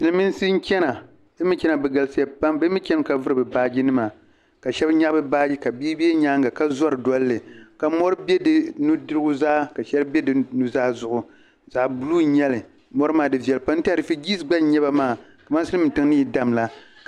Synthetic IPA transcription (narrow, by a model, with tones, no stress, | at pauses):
sɨ˨lɨ˨˦mɨ˦n˦si˦n̩˦t͡ʃʲɛ˦na˨ | ɨ˦mɨ˦t͡ʃʲɛ˦na˨bɛ˨ɡa˨lsi˦a˨pa˦mbɛ˦mɨ˦t͡ʃʲɛ˦n˦ka˨vɨ˦ɾɨ˨bɨ˨baː˦d͡ʒi˦nɨ˦ma˨ | ka˨ʃɛ˦bɲa˦bɨ˦baː˦d͡ʒi˦ka˨biː˦be˦ɲaː˦ŋɡa˨ka˦zɔ˦ɾɨ˨dɔ˦lːɨ˨ka˨mɔ˦ɾɨ˦bʲɛ˦dɨ˦nu˦dɨ˦ɾɨ˦ɡʊ˦zaː˦ka˨ʃɛ˦lɨ˦bɛ˦dɨ˨nu˦zaː˦zʊ˨ʔʊ˨ | zaː˨bu˦luː˦ɲɛ˦lɨ˨ | mɔ˦ɾɨ˦maː˨dɨ˨vi˨ɛ˨lɨ˨pa˦n̩˦tɨ˦a˨ɾɨ˨fi˦ɡi˦sɡ͡ba˦ɲɛ˦ba˦maː˦˨ | ka˨ma˦sɨ˦lɨ˦mɨ˨ntɨ˦ŋnɨ˦ji˨da˦mla˦